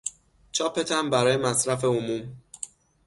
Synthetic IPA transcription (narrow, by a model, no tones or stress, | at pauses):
t͡ʃʰɒːpʰet̪ʰæmbæɾɒːje̞mæsɾæfe̞omuːm